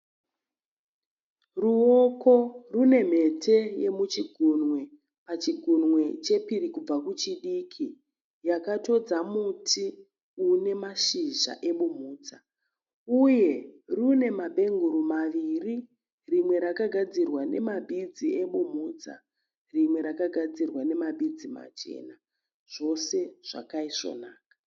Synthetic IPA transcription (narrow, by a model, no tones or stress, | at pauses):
ruoko̞rune̞m̤e̞tʰe̞je̞mut͡ʃiɡʱunŋwe̞ | pat͡ʃiɡʱunwe̞t͡ʃe̞piɾikub͡vakut͡ʃiɗikʰi | jakato̞d͡zamutʰi | une̞maʃiʒa̰ʔe̞ɓum̤uːt͡sa | uje̞rune̞mabʱe̞ŋɡuɾumaʋiri | rimwe̞ɾakaɡʱad͡zirwane̞mabʱid͡zie̞ɓumuːt͡sa̰ | rimwe̞ɾakaɡʱad͡zirwane̞mabʱid͡zima̰t͡ʃe̞̰ːna | ʐ̥o̞se̞ʐ̥a̰kaiʂo̞̰naːkḁ